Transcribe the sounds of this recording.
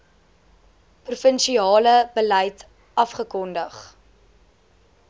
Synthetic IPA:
prufənʃiɑːləbəlɛjt | ʔɐfχəkɔndəχ

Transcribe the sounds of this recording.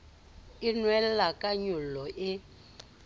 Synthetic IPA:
ɪnwɛlakʼaɲulɔʔɪ

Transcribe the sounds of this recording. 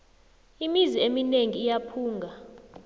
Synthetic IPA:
imiziemineŋiːjapʰuːŋɡʱa

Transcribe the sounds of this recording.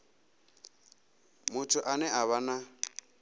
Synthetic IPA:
mʊtʰʊʔanɛʔaβana

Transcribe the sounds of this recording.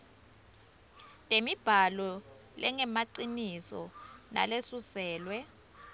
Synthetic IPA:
tʼemib̥ʱalɔ | lɛŋɛmaǀinisɔ̰na̰lesusɛːlwɛ

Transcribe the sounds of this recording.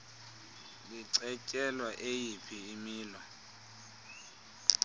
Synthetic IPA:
liǀɛcʼɛlwaʔejipʰiːmiːlɔ

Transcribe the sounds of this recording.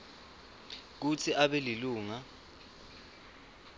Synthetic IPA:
k̬ut͡sʰiʔaɓɛliluːŋa

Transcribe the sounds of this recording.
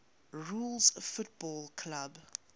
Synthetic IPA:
ɹuːlˠzfʊt̚bɔːlˠkʰlab

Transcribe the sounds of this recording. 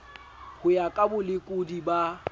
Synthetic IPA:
hʊjakʼabʊlɪkʼʊdiba

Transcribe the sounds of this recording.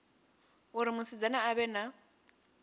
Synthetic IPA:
ʊɾɪmʊsɪd͡zanaːβɛna

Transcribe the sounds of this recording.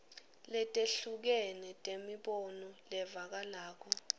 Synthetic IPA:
lɛtʼeɬuk̬ɛnɛtʼemiɓɔnɔlɛvak̬alaːk̬ʰɔ

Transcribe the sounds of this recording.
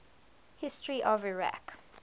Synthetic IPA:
hɪstɹiʔɔvɪɹa̰k

